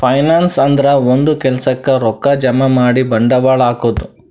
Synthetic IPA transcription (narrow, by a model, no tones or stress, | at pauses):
pʰɐjnaːnsɐnd̪ɐɾɐond̪ukɛlɐsɐkːɐɾɔkːɐd͡ʒɐmɐmaːɽibɐɳɖɐʋaːɭaːkoːd̪u